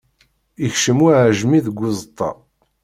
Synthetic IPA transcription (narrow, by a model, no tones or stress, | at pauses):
içʃəmuʕʒmiðɡʷːʊzˤt̪ˤːɑ̰